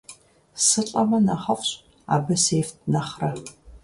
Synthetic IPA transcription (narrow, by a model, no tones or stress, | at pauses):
sɨɬʼɐmɐnɐχɐχʷɕ | a̰ːbɐseːft̚nɐχrɐ